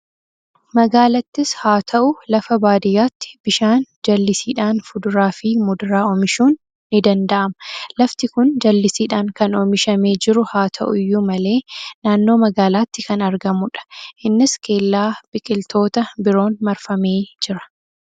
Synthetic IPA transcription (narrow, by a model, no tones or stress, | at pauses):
mɐɡaːlɐt̪ːɪshaːt̪ʰɐʔʊlɐfɐbaːd̪ɪjaːt̪ːɪ̥b̥ɪʃaːnd͡ʒɐlːɪsiːᶑaːnfʊd̪ʊɾaːfɪmʊd̪ʊɾaːɔmɪʃuːnː | ɪd̪ɐnd̪ɐʔɐmɐlɐft̪ɪkʊnd͡ʒɐlːɪsiːᶑaːŋkɐnɔmɪʃɐme̞ːd͡ʒɪɾʊhaːt̪ʰɐ̰ʔʊjːumɐle̞ːnaːnːo̞ːmɐɡaːlaːt̪ːɪkɐnɐɾɡɐmʊᶑɐ̥ʔɪnːɪske̞ːlːaːb̥ɪkʼɪlt̪ʰo̞ːt̪ɐbɪɾo̞ːnmɐɾfɐme̞ːd͡ʒɪɾɐ̥